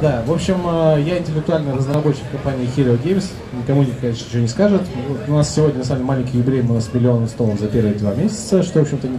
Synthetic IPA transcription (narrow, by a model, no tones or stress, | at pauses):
d̪avo̞pɕːɪməjaɪnʲtʲɪlʲɪk̚t̪ʊalʲnɨɾəznəɾɐbo̞t͡ɕːɪ̥kkːɐmpanʲɪɪxʲɪɾʲəʊɡʲejmʲs | nʲɪkɐmunʲɪkɐeʂənʲɪt͡ɕɪvonʲɪskaʐɨt̪vot̪ʊnassʲɪvodʲnʲənɐsamʲlʲmalʲɪnʲkʲɪjjɪbʲɪɾʲejmʊnasmʲɪlʲɪo̞nəst̪oləmzɐpʲe̞ɾvəd̪vamʲesʲɪ̥t̪səʂt̪ovopɕɪmt̪ənʲɪ